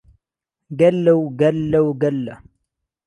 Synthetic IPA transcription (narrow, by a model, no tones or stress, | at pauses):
ɡɐlːɐwɡɐlːɐwɡɐlːɐ